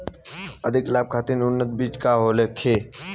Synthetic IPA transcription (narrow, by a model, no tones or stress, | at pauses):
əd̪ʱɪklaːb̚kʰaːt̪inʊnːət̪̚biːt͡ʃkaːɦoːleːkʰeː